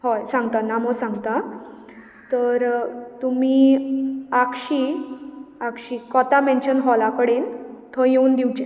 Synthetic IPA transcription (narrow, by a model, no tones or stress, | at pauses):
ɦɔjsãŋɡt̪anamosãŋɡt̪a | t̪əɾt̪umiː | akɕiː | akɕiːkɔt̪amɛ̃nɕənɦɔlakəɽent̪ʰɔjeuːnd̪iwt͡ɕe